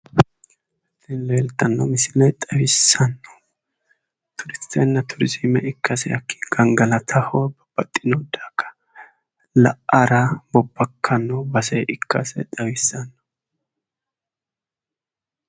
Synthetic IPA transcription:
tːɪnleːlt̪ːɐnːɔmɪsɪlɛjt̪ʼɐwɪsːɐnːɔ̥ | t̪ʰʊɾɪst̪ʰːɛnːɐt̪ʰʊɾɪzɪmɛʔɪkʰːɐsɛjɐkːi̥ɡ̥ɐŋɡɐlɐt̪ʰɐhɔbɐb̥ɐt̪ʼːɪnod̪aːkːɐ̥ | lɐʔɐɾɐbɔbːɐkʰːɐnːɔbɐsɛjʔɪkːɐsɛ̰t̪ʼɐwɪsːɐnːɔ̥

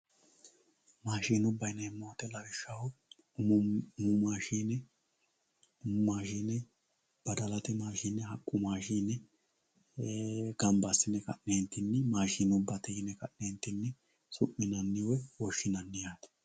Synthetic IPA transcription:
maːʃiːnʊbːɐjnɛɛmːowɐt̪ɛlɐɡɪʃːɐwʊ | ʊmʊmaːʃiːnɛ | ʊmmaːʃiːnɛ | b̥ɐd̪ɐlɐt̪ɪmaːʃiːnːɛɦɐkʼːʊmaːʃiːnɛ | ɡ̥ɐmbɐsːɪnɛkɐ̰ʔnent̪ːɪnːɛmaːʃiːnʊbːɐt̪ɛjɪnɛkɐʔneːnt̪ːɪnːɛ | sʊʔːɪnɐnːɪwɔwɔʃːɪnɐnːɪjaːt̪ɛ̥

